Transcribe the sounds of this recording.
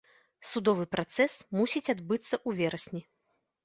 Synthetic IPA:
sud̪ɔvɨpɾat̪sɛsmusʲit͡sʲad̪bɨt̪sːɐʔuvʲɛɾɐsʲnʲi

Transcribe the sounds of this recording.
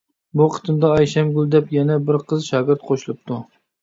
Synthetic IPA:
buqʰə̥t̪ʰɨnd̪ɑɑjʃɛmɡʲylˠd̪ɛpjɛnɛbɪɾqʰəzʃɑːɡʲɪɾt̪̚qʰoʃlˠɨp̚t̪ʰu

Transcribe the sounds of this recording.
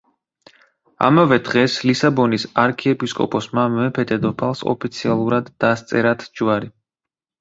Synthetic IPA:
a̰mavɛd̪ʁɛslisabɔnisaɾkʰɛɛpʼiskʼɔ̰pʼɔsmamɛpʰɛt̪ʰɛd̪ɔpʰalˠsɔ̰pʰit̪sʰialˠuɾad̪ːast̪sʼɛɾat̪ʰd͡ʒwaɾi

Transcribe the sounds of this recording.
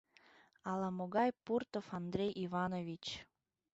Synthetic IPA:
ɑlˠɑmoɡɑjpurt̪ofɑnd̪rʲejʔivɑnovʲit͡ɕ

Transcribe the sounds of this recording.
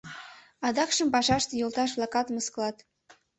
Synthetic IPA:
ɑd̪ɑkʃəmpɑʃɑʃt̪jolˠt̪ɑʃ̬βlˠɑkɑt̪məskəlɑt̪

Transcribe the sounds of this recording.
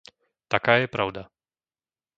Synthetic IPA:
t̪akaːjɛpɾaʊd̪a

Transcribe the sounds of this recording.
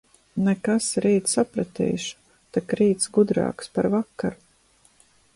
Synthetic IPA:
nɛkasɾiːt̪ssapɾat̪ḭːʃu̥ | t̪akɾiːt̪sɡud̪ɾa̰ːkspaɾvakːaɾu

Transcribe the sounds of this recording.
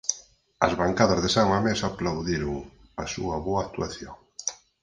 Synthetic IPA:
ɐ̰zβaŋkaðɐzðesaŋamesaplawðiɾʊŋ | asṵɐβoaːkt̪uaθjoŋ

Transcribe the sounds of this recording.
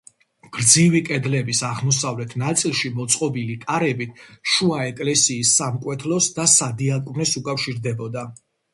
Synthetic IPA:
ɡ̥ɾd̪zivikʼɛd̪lɛbisaʁmɔsavlɛt̪ʰnat̪sʼilˠʃimɔt̪sʼqʼɔbilikʼaɾɛbit̪ʰʃuaɛkʼlɛsiːsːamkʼwɛt̪ʰlɔsd̪asad̪iakʼvnɛsukʼafʃiɾd̪ɛbɔd̪a

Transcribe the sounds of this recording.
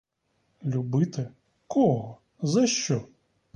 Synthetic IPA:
lʲubɪt̪ɪ | kʰɔɦɔ | zɐʃt͡ʃɔ

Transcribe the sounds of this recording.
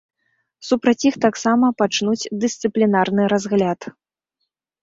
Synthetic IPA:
supɾɐt͡sʲixt̪aksamɐpat͡ʂnut͡sʲd̪ɨst̪sɨplʲinarnɨɾazɣlʲat̪

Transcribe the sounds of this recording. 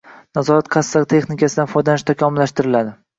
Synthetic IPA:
nazɒɾat̪qʰɑsːakt̪ʰe̞χnɪkʲʰasɪd̪anfɒjd̪anɪʃt̪ʰakʲʰɒmɪlːaʃt̪ɪɾɪlad̪ɪ

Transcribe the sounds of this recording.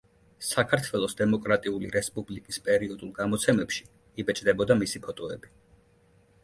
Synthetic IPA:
sakʰaɾt̪ʰwɛlˠɔsd̪ɛmɔkʼɾat̪ʼiulḭɾɛspʼublikʼispʼɛɾiɔd̪ulˠɡamɔt̪sʰɛmɛpʃi̥ | ibɛt͡ʃʼd̪ɛbɔd̪amisipʰɔt̪ʼɔɛbi

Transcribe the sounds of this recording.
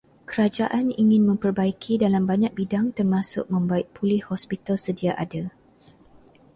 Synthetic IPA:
kəɾad͡ʒaʔaniŋɪ̃nmə̃mpərbaikʰidalambaɲãk̚bidaŋt̪ərmasʊ̰k̚mə̃mbaɪʔ̚pʰulɪhhɔspit̪alsədiaʔada

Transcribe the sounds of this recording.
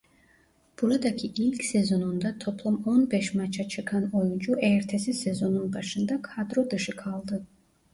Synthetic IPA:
b̥uɾad̪akʰiʔilckʰʲsɛzonund̪at̪ʰopʰlˠumonbɛʃmat͡ʃʰat͡ʃʰɨkʰanojund͡ʒuʔɛɾt̪ʰɛsisɛzonunbaʃɯnd̪akʰad̪ɾod̪ɯʃɯkʰalˠd̪ɨ

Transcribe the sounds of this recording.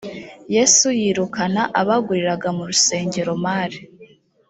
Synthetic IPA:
je̞sujiːɾukanaʔaβaɡuɾiɾaɡamuɾuse̞ːɲɟe̞ɾo̞maːɾi

